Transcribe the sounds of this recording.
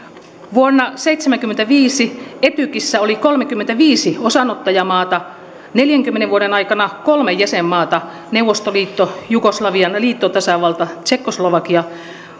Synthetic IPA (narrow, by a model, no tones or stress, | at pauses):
ʋuonːɑseit̪semæŋkymːent̪æʋiːsiet̪ykisːæolikolmekymːent̪æʋiːsiosɑnot̪ːɑjɑmɑːt̪ɑ | neljæŋkymːeneʋuoɾenɑikɑnɑkolmejjæsemːɑːt̪ɑ | neuwʋːˑost̪oliːt̪ːojuɡoslɑʋiɑnliːt̪ːot̪ɑsɑʋɑlt̪ɑt͡ʃekːosloʋɑkiɑ